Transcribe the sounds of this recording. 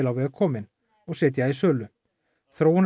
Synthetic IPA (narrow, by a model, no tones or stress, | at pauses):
ɪlawvɛːɣkʰɔːmɪn | ɔɣsɛːt̪̬jaisœːlʏ | θɾoːwn